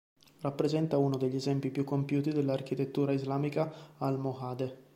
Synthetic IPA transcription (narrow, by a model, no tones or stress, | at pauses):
rapːɾezɛnt̪aunod̪eʎːiezɛmpipjukːompjuːt̪id̪elːark̟it̪et̪ːuːɾaizlaːmikaːlmoxaːd̪e